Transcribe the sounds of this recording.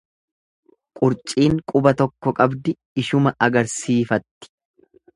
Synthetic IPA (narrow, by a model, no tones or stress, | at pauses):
kʼʊɾt͡ʃʼiːŋkʼʊbɐt̪ɔkːɔkʼɐbd̪ɪ | ɪʃʊmɐʔɐɡɐɾsiːfɐt̪ːɪ̥